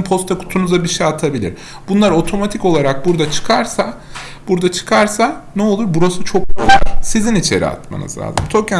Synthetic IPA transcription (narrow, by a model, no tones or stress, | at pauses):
mpʰo̞st̪ʰakʰu̥t̪ʰunuzabiʃejat̪ʰabilʲḭɾ | bunlˠaɾo̞t̪ʰo̞mat̪ʰiko̞lˠaɾak̚buɾd̪at͡ʃʰɯ̥kʰaɾsa | b̥uɾd̪at͡ʃʰɯ̥kʰaɾsanɛolˠuɾbuɾasut͡ʃʰo̞k̚bolˠsizinit͡ʃʰe̞̰ɾḭa̰t̪ma̰nɯ̰zlʲa̰ːzɯ̰mt̪ʰoka